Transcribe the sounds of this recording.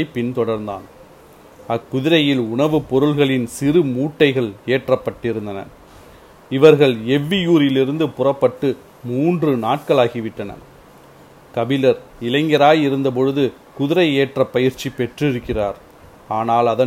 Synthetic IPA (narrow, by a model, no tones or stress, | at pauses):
ɪpɪnt̪ɔɽɐɾnd̪a̰ːn | ɐkːʊðɪɾɐjɪlʊɳɐʋɯpɔɾɯɭɣɐɭɪnsɪrɯmuːʈːɐɪɣɐɭeːʈrɐpːɐʈːɪɾɯnd̪ɐnɐ̰ | ɪʋɐɾɣɐɭɛʋːɪjuːɾɪlɪɾɯnd̪ɯpʊrɐpːɐʈːɯ | muːndrɯnaːʈ̚kɐɭaːɣɪʋɪʈːɐnɐ̰ | kɐbɪlɐɾ | ɪlɐɪŋɡɐɾaːjɪɾɯnd̪ɐp̬ɔɻɯðɯ | kʊðɪɾɐɪeːʈrɐpːɐjɪɾt͡ʃːipːɛʈrɪɾɯkːɪraːɾ | aːnaːlɐðɐ